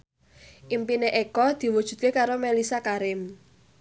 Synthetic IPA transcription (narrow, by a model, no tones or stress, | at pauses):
ʔimpineʔekɔd̪̥i̤wud̥ʒ̥ṳd̪̚kekaɾomelisakaɾɪm